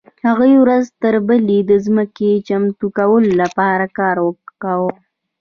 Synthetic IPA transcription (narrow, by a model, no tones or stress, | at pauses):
haɣuiwɾazt̪əɾbəled̪əzməket͡ʃamt̪ukawəlolapɑɾakɑɾwəkawə